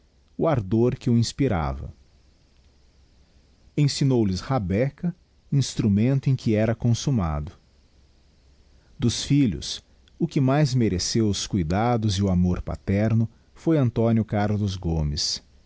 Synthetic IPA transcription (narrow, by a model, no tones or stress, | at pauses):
ʊaɾd̪oɾkɪʊĩspiɾa̰vɐ̰ | ẽsinowlɪshabɛkɐ | ĩst̪ɾumẽnt̪ʊẽj̃kʰɪɛɾɐkõsuma̰d̪ʊ | d̪ʊsfiʎʊ̰s | ʊkɪmajzmeɾesewʊskujd̪ad̪ʊzɪʊamoɾpa̰t̪ɛɾnʊ | fojɐ̃nt̪õnjʊkaɾlʊzɡõmɪs